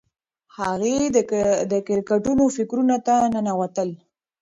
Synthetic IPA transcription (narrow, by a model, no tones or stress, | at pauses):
haɣedd̪əkɪɾkaʈunofɪkɾunat̪anənawat̪əl